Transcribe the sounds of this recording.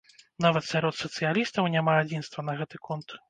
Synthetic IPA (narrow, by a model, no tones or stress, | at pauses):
navɐt̪sʲaɾɔt̪sɐt̪sɨjalʲist̪ɐwnʲamaːd͡zʲinst̪vɐnɐɣɛt̪ɨkɔnt̪